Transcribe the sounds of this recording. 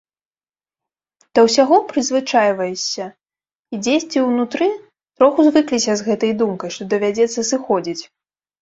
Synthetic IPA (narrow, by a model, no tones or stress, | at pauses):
d̪̥ɐwsʲaɣɔpɾɨzvɨt͡ʂajvɐjɛsʲːɐ | id͡zʲesʲt͡sʲiwnut̪ɾɨ | t̪ɾɔxuzvɨklʲisʲɐzɣɛt̪ɐjd̪umkɐjʂt̪ɔd̪ɐvʲad͡zʲɛt̪sːɐsɨxɔd͡zʲit͡sʲ